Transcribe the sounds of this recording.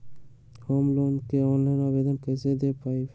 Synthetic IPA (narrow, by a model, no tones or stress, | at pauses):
hoːmloːnkeɔ̃ːnlaɪnabeːd̪ənkɛːsed̪epaːi